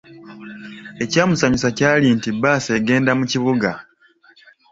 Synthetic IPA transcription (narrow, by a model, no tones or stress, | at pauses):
e̞caːmusaɲusacaːlintibːaːseːɡe̞ːndamuciβuɡa